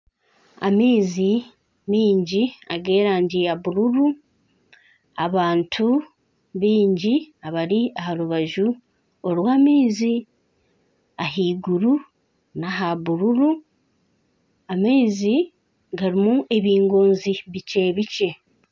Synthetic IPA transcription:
a̰miːzi | miːɲɟiaɡe̞ːɾaːɲɟijaβuɾuɾu | aβaːntʰu | βiːɲɟiaβaɾiahaɾuβaʒu | oɾwaːmiːzi | aɦiːɡuɾu | naɦaβuɾuɾu | amiːzi | ɡaɾimuʔe̞βiːŋɡo̞ːnziβice̞βice̞

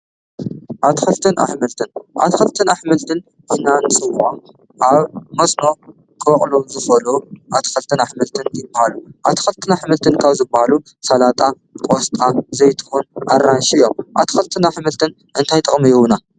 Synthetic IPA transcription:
ʔat̪xɐlt̪ʰɨnʔa̰ħmɨlt̪ʰɨnʔa̰t̪xɐlt̪ʰɨnaħmɨlt̪ʰɨn | ɨħnanɨsʼɨwʊʔom | ʔaβmɐsno̞ | kʰɨɐχʼluzɨfɐluʔat̪xɐlt̪ʰɨnaħmɨlt̪ʰɨnjɪbːahaluʔa̰t̪ʰxɐlt̪ʰɨnaħmɨlt̪ʰɨnkʰaβzɨbːahalu | sɐlat̪ʼa | kʼost̪ʼazɐjt̪ʰɨ̥xunʔa̰ranʃijːomʔa̰t̪ʰxɐlt̪ʰɨnaħmɨlt̪ʰɨn | ʔɨnt̪ʰajt̪ʼɨχʼmijwuna

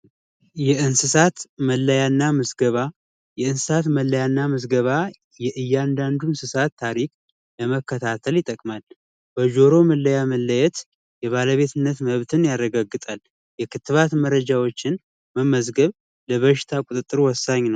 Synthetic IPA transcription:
jɛʔɨnsɨsat̪məlːəjanːaməzɡəβa | jɛɨnsɨsat̪məlːəjanːaməzɡəβa | jɛʔɨjːand̪and̪unsɨsat̪ʰːaɾikʼ | ləməkːət̪ʰat̪ʰəljɪt̪ʼːəkʼmal | b̥əd͡ʒo̞ɾo̞məlːəjaməlːəjɛt̪ | jɛβaləβe̞t̪ʰɨnːət̪məβt̪ʰɨnjarːəɡaɡːɨt̪ʼal | jɛkʰɨt̪ːɨβat̪məɾəd͡ʒawo̞t͡ʃːɪn | məmːəzɡəβ | ləβəʃɪ̥t̪ʰakʷʼut̪ʼɨt̪ʼːɨɾuwɔsːaɲːnəww

